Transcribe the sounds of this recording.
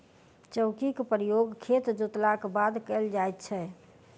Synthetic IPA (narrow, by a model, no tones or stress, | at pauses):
t͡ʃəʊkikpɾijoɡkʰet̪d͡ʒot̪lakbad̪kɛld͡ʒajt̪t͡ʃʰɛ